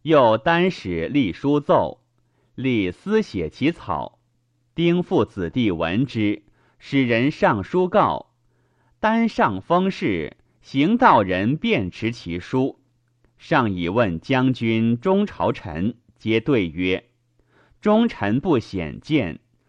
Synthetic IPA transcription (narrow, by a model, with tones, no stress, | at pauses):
jo˥˩ʊt̪a˥nʂɻ̩˨˩li˥˩ʂu˥t͡so˥˩ʊ | li˥˩sɹ̩˥ɕjɛ˨˩t͡ɕʰi˧˥t͡sʰɑ̰˨˩˦ʊ | t̪i˥ŋfu˥˩t͡sʰɹ̩˨˩t̪i˥˩wə̰˧˥nʈ͡ʂɻ̩˥ | ʂɻ̩˨˩ɻə˧˥nʂɑ˥˩ŋʂu˥kɑ˥˩ʊ | t̪a˥nʂɑ˥˩ŋfɑ˥ŋʂɻ̩˥˩ | ɕi˧˥ŋt̪ɑ˥˩ʊɻə˧˥npjɛ˥˩nʈ͡ʂʰɻ̩˧˥t͡ɕʰi˧˥ʂu˥ | ʂɑ˥˩ŋi˨˩wə˥˩nt͡ɕjɑ˥ŋt͡ɕy˥nʈ͡ʂʊ˥ŋʈ͡ʂʰɑ˧˥ʊʈ͡ʂʰə̰˧˥n | t͡ɕjɛ˥t̪we˥˩ɪɥɛ˥ | ʈ͡ʂʊ˥ŋʈ͡ʂʰə˧˥npu˥˩ɕjɛ̰˨˩nt͡ɕjɛ˥˩n